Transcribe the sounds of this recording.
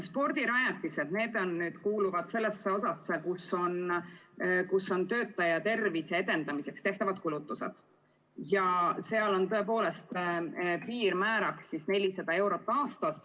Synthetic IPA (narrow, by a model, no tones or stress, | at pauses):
spo̞rd̪̥iɾɑjɑt̪ːˑise̞d̪ne̞ːd̪̥o̞nːyːd̪̥kuːluvɑd̪̥se̞lːe̞sːeo̞sɑsːekuso̞n | kusːo̞nt̪ø̞ːt̪ːˑɑjɑt̪e̞rvise̞ed̪e̞nd̪ɑmise̞kst̪e̞ht̪ɑvɑd̪̚kulut̪ːˑuse̞̰d̪̥ | jɑse̞ɑlo̞nt̪øe̞po̞ːle̞st̪piːrmæːɾɑksisne̞lʲisɑd̪̥ɑe̞wɾo̞t̪ːˑɑːst̪ɑs